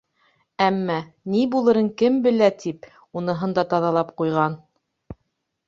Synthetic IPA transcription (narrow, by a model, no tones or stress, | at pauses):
æmːænibulˠɤ̆ɾɤɴkɘmbɘ̆læt̪ʰip | unɤ̆ɦɤnd̪ɑt̪ɑðɑlˠɑp̚qujʁɑn